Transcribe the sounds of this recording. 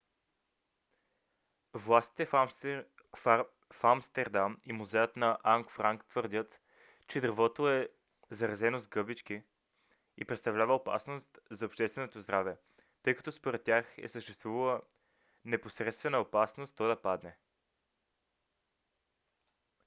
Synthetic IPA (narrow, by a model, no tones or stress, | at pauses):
vlˠast̪i̥t̪ɛ | famst̪ɛɾd̪amimuzɛjət̪nɐʔaŋkfɾaŋkt̪vɤɾd̪ʲət̪ | t͡ʃɛd̪ɾvɔt̪oɛ | zɐɾɐzɛnozɡɤbit͡ʃk̟i | ipɾɛt̪st̪ɐvlʲavəopa̰snost̪zɐopʃt̪ɛst̪vɛnot̪ozd̪ɾavɛ | t̪ɤjkɐ̥t̪ɔspoɾɛt̪̚ːʲjaxɛ̰səʃt̪ɛ̥st̪vuvəlˠə | nɛposɾɛt̪st̪vɛnəopasnost̪ːɔd̪ɐpad̪nɛ